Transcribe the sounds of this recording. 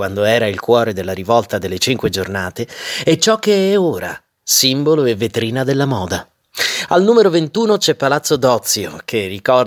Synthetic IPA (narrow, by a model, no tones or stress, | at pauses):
wand̪oɛːɾailkwɔːɾed̪elːaɾivɔlt̪ad̪elːet͡ʃiŋkwed͡ʒornaːt̪eɛt͡ʃɔkːeɛoːɾa̰ | simboloevːet̪ɾiːnad̪elːamɔːd̪a | alnuːmeɾovent̪uːnot͡ʃɛpːalat̪sːod̪ɔt̪sːjo̰kʰerːikɔr